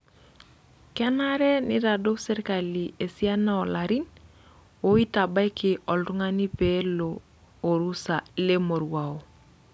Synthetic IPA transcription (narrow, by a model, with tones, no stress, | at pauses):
kɛ˦na˦ɾɛ˦ni˦ɾa˨do˦ksɛ˦ɾka˨li˨e˨si˦a˦na˦ɔ˨la˨ɾi˦n | o˦i˦ta˨ba˦jkʰɪ˨ʔɔ˨ltu˦ŋa˦ni˦pe˦loː˨ | ɾu˦sa˨le˦mo˨ɾwa˨o˨